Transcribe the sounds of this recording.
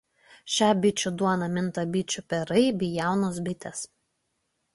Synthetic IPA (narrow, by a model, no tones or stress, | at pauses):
ʃʲæːbʲɪt͡ʃʲʊd̪uɔnɐmʲɪnˑt̪ɐbʲɪt͡ʃʲʊpʲɛɾɐɪbʲijæˑʊnoːsbʲɪt̪ʲɛs